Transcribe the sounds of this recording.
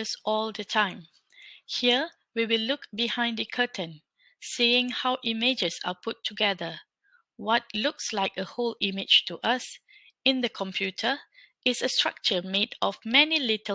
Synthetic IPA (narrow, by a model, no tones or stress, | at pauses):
əsɔldətʰãɪ̃m | hiə | wiwilʊkbihãɪ̃ndəkʰətʰə̃n | siɪ̃ŋhawʔimed͡ʒəsa̰pʊtʰːuɡɛðə | wɔt̚lʊkslaɪk̚əholɪmɪd͡ʒtuʔas | ɪ̃ndəkʰɔ̃mpʰjutʰə | ɪsəstɹ̥a̰k̚t͡ʃəmedɔfmɛnilɪtə